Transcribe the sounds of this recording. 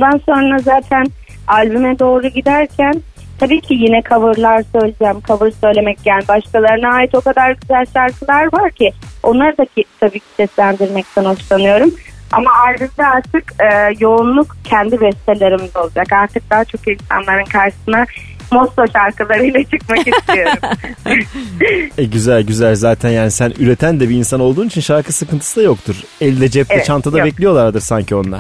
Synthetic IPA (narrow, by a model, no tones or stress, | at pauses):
bund̪anso̞nɾazaːt̪ʰæn | alʲbymɛd̪o̞ːɾuɟid̪æɾcʰæn | t̪ʰabiːcʰijinɛkʰavɯɾlˠaɾsø̞jlʲid͡ʒæmkʰavɯɾsø̞jlʲe̞mɛc̚ɟælʲbaʃkʰalˠaɾɯnaaːjit̪o̞kad̪aɾɟyzælʲʃaɾkɯlˠaɾvaɾcʰɪo̞nlˠaɾd̪acʰit̪ʰabiːcʰi̥sɛslʲænd̪iɾmɛc̚t̪ʰɛno̞t͡ʃlˠanɯjo̞ɾuma̰maʔalʲbymd̪ɛaɾt̪ʰɯkɯːjo̞unlˠukcʰɛnd̪ibɛst̪ʰelʲe̞ɾimizo̞lˠud͡ʒakaɾt̪ʰɯk̚d̪aːat͡ʃʰo̞kinsa̰nlˠaɾɯnkʰaɾʃɯ̥sɯna | mo̞slˠoʃaɾkɯlˠaɾɯjlʲɛt͡ʃʰɯkmakist̪ʰijo̞ɾumm | ɛɟyzælʲɟyzælʲzaːt̪ʰænjaːnisænyɾe̞t̪ʰænd̪ɛbiːnsano̞lˠd̪uːnit͡ʃʰinʃaɾkɯsɯkɯnt̪ʰɯ̥sɯd̪ajo̞kt̪ʰuɾ | elʲid̪ɛd͡ʒɛp̚tɛt͡ʃʰant̪ʰad̪abɛclʲijo̞lˠaɾad̪ɯɾsaɲcʰio̞nlˠa̰ɾ